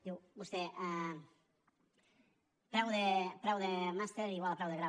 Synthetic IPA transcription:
d̪iwbust̪e | pɾawðepɾawðemast̪eɾiɣwalapɾawðeɣɾa

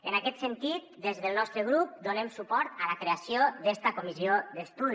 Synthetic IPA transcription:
ənakɛt̪sənt̪it̪̚d̪ezðəlˠnɔst̪ɾəɣ̞ɾup̚d̪onemsupɔɾt̪ələkɾeasiod̪ɛst̪əkumiziod̪əst̪uð

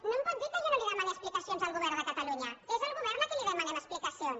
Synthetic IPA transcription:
nõmpɔt̪̚d̪iɾkəʎonoliðɛmaneəsplikasionzaəlˠɣuβɛɾnðəkət̪aluɲəezəlˠɣuβɛɾlakeliðɛmanenəsplikasions

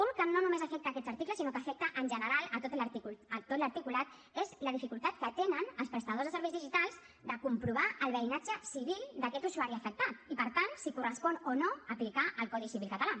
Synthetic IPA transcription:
uŋkənonumezəfɛk̚t̪əakɛd̪zəɾt̪ikləsinokəfɛk̚t̪əʔənʲʒənəɾalˠət̪ot̪lt̪iət̪ot̪ləɾt̪ikulat̪ | ezləðifikulˠt̪at̪̚kət̪enənəlˠspɾəst̪əðozðəsəɾβɛjzðiʒit̪alˠz | d̪əkumpɾuβ̞aəlˠβəinad͡ʒəsiβilˠd̪əkɛt̪usuaɾiəfək̚t̪at̪ipəɾt̪ansikurəspɔnonoəplikaʔəlˠkɔðisiβilkət̪ala

